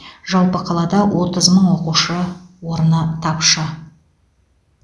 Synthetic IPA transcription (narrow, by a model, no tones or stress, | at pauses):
ʒɑlˠpəqʰɑlˠɑd̪ɑwʔo̞t̪əzməɴwo̞quʃəwo̞ɾənət̪ʰɑpʃə